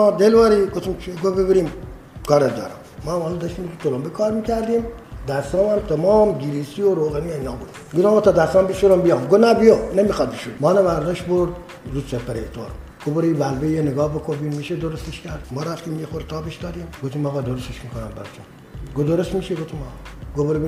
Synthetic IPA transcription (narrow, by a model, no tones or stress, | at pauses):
mɔd̪elʋɑɾiɡot̪imt͡ʃʰɡobebiɾim | kʰɑːɾed̪ɔ̰ːɾɛ̰mːɔmɑːlɔd̪ɑʃt̪imt̪ut̪ʰolombekʰɑːɾmikʰæɾd̪im | d̪æst̪ɑːmæmt̪ʰemɑːmɡiɾisioɾoːɣenieinɑːbud̪ | ɡud̪ɔmot̪ɑd̪æst̪ɑːmbiʃuɾombijɑmɡonæbijonemixɑd̪̚biʃud̪mɑːnemæɾd̪ɔʃboɾd̪ | ɾuːsepeɾet̪ʰo̰ɾɡ̥oboɾebælbejeneɡɑːhbekʰobimmiːʃed̪oɾost̪eʃkæɾd̪mɔːɾæft̪iːmjexoɾt̪ʰɑːbeʃd̪ɑːd̪imɡoft̪imɑːɣɑd̪oɾost̪eʃmikonæmbæ̰ɾt͡ʃun | ɡod̪oɾosmiːʃeɡoft̪ʰimɑ̰ɡoboɾi